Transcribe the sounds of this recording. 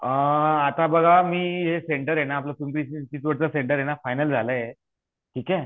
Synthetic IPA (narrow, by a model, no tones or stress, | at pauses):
əat̪abəɡʱamiːɦeseɳʈəɾjenaːpləfumɾist͡ɕiːt͡sʋəɽt͡səseɳʈəɾjenafajnəld͡zʱalə | ʈʰiːkɛ